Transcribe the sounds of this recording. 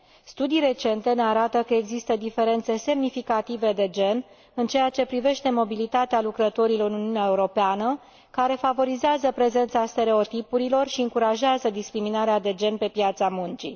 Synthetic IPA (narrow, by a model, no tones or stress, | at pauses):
st̪ud̪ijɾe̞t͡ʃe̞nt̪e̞ne̞aɾat̪əkəeɡzist̪əd̪ife̞ɾe̞nt̪se̞se̞mnifikat̪ive̞d̪e̞d͡ʒe̞n | ɨnt͡ʃe̞jat͡ʃe̞pɾive̞ʃt̪e̞mo̞bilit̪at̪ealukɾət̪o̞ɾilonuniuneaeuɾo̞peanə | kaɾe̞favo̞ɾizeazəpɾe̞ze̞nt̪sast̪e̞ɾe̞o̞t̪ipuɾilo̞rʃiɨŋkuɾaʒeazəd̪iskɾiminaɾead̪e̞d͡ʒe̞npe̞pjat̪samunt͡ʃḭ